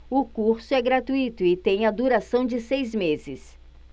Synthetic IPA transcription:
ʊkuɾsʊɛɡɾat̪uit̪ʊɪt̪ẽj̃ɐd̪uɾasɐ̃w̃d͡ʒɪsejzmezɪs

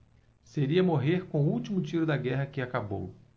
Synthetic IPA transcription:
seɾiɐmoɦeɾkõw̃uwt͡ʃimʊt͡ʃiɾʊd̪ɐɡɛɦɐkɪakabo̰w

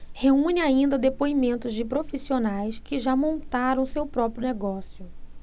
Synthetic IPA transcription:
heũnɪaĩnd̪ɐd̪epoimẽnt̪ʊzd͡ʒɪpɾofisionajskɪʒamõnt̪aɾɐ̃w̃sewpɾɔpɾʊneɡɔsjʊ

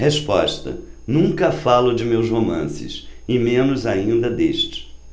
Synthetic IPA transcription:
hespɔ̰ʃt̪ɐ̰nũkɐfalʊd͡ʒɪmewshomɐ̰̃sɪ̰sɪmẽnʊzaĩnd̪ɐd̪eʃt͡ʃɪ̥

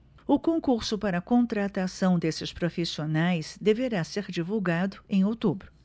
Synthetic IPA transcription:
ʊkõŋkuɾsʊpaɾɐkõnt̪ɾat̪asɐ̃w̃d̪esɪspɾofisionajzd̪eveɾaseɾd͡ʒivuwɡad̪ʊẽj̃owt̪ubɾʊ

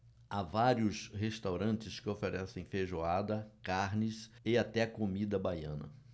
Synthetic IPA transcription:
avaɾjiʊshest̪awɾɐ̃nt͡ʃɪskɪofeɾɛsẽj̃feʒoad̪ɐkaɾnɪs | ɪat̪ɛɐkomid̪ɐbajɐ̰̃nɐ̰

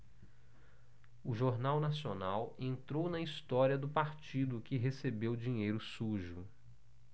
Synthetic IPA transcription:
ʊʒoɾnawnasionawẽnt̪ɾownɐist̪ɔɾiɐd̪ʊpaɾt͡ʃid̪ʊkɪɦesebewd͡ʒĩɲejɾʊsuʒʊ

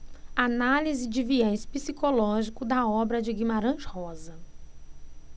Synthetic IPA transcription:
analizɪd͡ʒɪviɛspisikolɔʒikʊd̪ɐɔbɾɐd͡ʒɪɡĩmaɾɐ̃ʃhɔzɐ

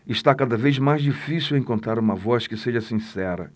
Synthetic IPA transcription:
ɪʃt̪akad̪ɐvejzmajzd͡ʒifisiwẽŋkõnt̪ɾaɾũmɐvɔskɪseʒɐsĩsɛɾɐ̰

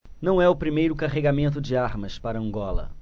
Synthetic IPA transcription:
nɐ̃w̃ɛʊpɾimejɾʊkaɦeɡamẽnt̪̬ʊd͡ʒɪaɾmɐspaɾɐɐ̃ɡɔlɐ̰

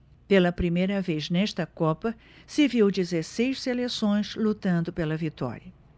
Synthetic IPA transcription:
pelɐpɾimejɾɐveznɛʃt̪ɐkɔpɐ | sɪviwd͡ʒizesejʃselesõj̃slut̪ɐ̃nd̪ʊpelɐvit̪ɔ̰ɾjɐ

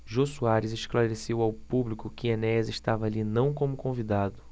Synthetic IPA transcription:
ʒosuaɾɪzeʃklaɾesewawpublikʊkɪenɛzɪʃt̪avɐaːlinɐ̃w̃kõmʊkõvid̪ad̪ʊ

